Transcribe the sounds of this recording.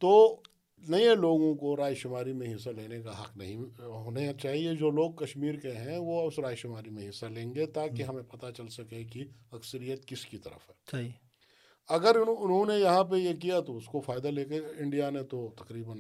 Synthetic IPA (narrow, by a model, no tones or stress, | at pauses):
t̪oː | nɐẽloːɡõkoɾaːjʃʊmaːɾimẽɦɪsːaleːnekaɦɐ̰qnɐɦĩɦoːnet͡ʃaːɦied͡ʒoːloːɡ̚kɐʃmiːɾkeɦɛ̃ʋoɐʊsɾaːjʃʊmaːɾimẽɦɪsːalẽːŋɡet̪aːkiɦɐmẽpɐt̪at͡ʃɐlsɐkekiɐksəɾijət̪kɪskit̪ɐ̰ɾə̰fɦɛː | ɐɡəɾʊnɦõnejɐɦãp̬ejekijat̪oʊskofaːɪd̪aleːkeɪ̃ɳɖijanet̪ot̪ɐkɾiːbən